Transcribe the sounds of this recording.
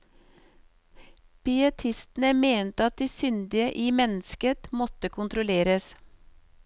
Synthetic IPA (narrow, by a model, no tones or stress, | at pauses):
pʏət̪ʰɪst̪n̩əmeːnt̪əɑt̪̚d̪iːsʏnd̪ɪəʔiːmɛnskət̪mɔt̪əkʰʊnt̪ɾʊleːɾəs